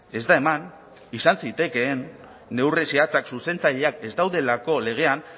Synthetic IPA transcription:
e̞zd̪ae̞man | isansit̪e̞ke̞ːnː | e̞wresiat͡saksuse̞nt͡saʎeake̞zd̪awðe̞lako̞le̞ɣ̞e̞an

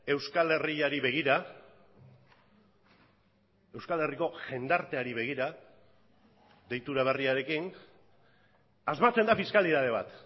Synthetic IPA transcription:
e̞wskale̞riaɾiβe̞ɣ̞iɾa | e̞wskale̞riko̞ʝe̞nd̪aɾt̪e̞aɾiβ̞e̞ɣ̞iɾa | ðe̞jt̪uɾaβ̞e̞riaɾe̞kin | azmat͡se̞nd̪afiskaliðaðe̞β̞a̰t̪

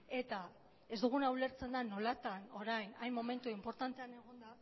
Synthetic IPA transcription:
e̞t̪a | e̞zd̪uɣ̞unawle̞ɾt͡se̞nd̪ano̞lat̪ano̞ɾajnajnmome̞nt̪uimpo̞ɾt̪ant̪e̞ane̞ɣ̞o̞nd̪a

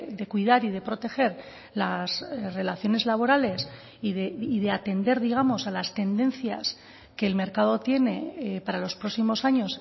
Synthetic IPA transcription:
d̪e̞kwið̞aɾið̞e̞pɾo̞t̪e̞xe̞ɾ | lasre̞laθjo̞ne̞zlaβ̞o̞ɾale̞s | iðeiðe̞at̪e̞nd̪e̞ɾðiɣ̞amo̞salast̪e̞nd̪e̞nθja̰s | ke̞ːlme̞ɾkað̞o̞t̪je̞ne̞paɾalo̞spɾo̞ksimo̞saɲo̞s

